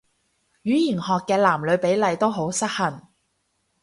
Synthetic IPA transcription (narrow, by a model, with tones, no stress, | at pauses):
jyː˨˥jiː˨˩nhɔː˨kːɛː˧laː˨˩mlɵ˨˧ɥpe˨˥jlɐ˨˧jt̪o˥wɦo˨˥wsɐ˥t̚hɐ˨˩n